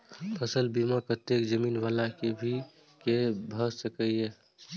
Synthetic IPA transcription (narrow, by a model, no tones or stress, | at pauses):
pʰəsəlbimakət̪ːekd͡ʒəmiːnʋalakebʱi | kebʱəsəkəie